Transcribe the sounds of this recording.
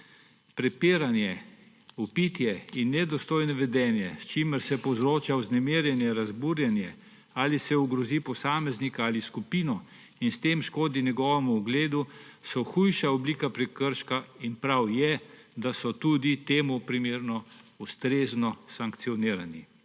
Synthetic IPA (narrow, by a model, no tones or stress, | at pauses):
pɾɛpiːɾanjɛ | upit̪jɛinːɛd̪ɔst̪oːjnɔʋɛd̪ɛːnjɛst͡ʃiməɾsɛpɔzɾoːt͡ʃauznɛmeːɾjɛnjɛɾazbuːɾjɛnjɛ | alisɛuɡɾɔzipɔsaːmɛznikaaːliskupiːnɔ | inst̪eːmʃkoːd̪injɛɡɔːʋɛmuːɡleːd̪usɔxujʃaɔbliːkapɾɛkəɾʃkainpɾawjɛd̪asɔt̪uːd̪it̪eːmupɾimeːɾnɔust̪ɾeːznɔsaŋkt̪sijɔniːɾani